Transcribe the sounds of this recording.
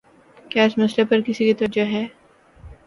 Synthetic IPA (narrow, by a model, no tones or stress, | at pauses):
kjaːɪsmɐslepɐɾkɪsikit̪əɾd͡ʒaɦɛː